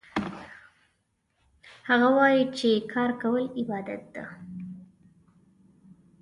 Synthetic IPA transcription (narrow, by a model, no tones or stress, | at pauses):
haɣawɑjit͡ʃekʰɑɾkawəlɪbɑd̪a̰t̪̚d̪̥a̰